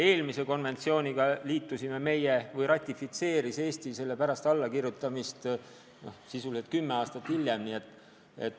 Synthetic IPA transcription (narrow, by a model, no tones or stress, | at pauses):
e̞ːlmise̞ko̞nve̞nt̪sio̞ːnʲiɡ̥ɑliːt̪ːˑusime̞me̞jevɤjrɑt̪ʲːˑifit̪se̞ːɾise̞ːst̪ise̞lːe̞pæɾɑst̪ɑlːɑkirjut̪ːˑɑmist̪ | no̰sisuliset̪̚kymːe̞ɑːst̪ɑt̪ːhilʲːjemnie̞t̪ːˑ | e̞̰t̪ːˑ